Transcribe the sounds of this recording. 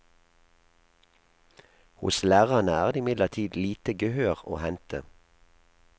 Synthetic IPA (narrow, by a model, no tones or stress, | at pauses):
hʊ̰slæːʁɑnəæːʁd̪eːɪmɪd̪ləʁt̪ʰiːd̪liːt̪əɡəhøːʁo̰ːhɛnt̪ʰə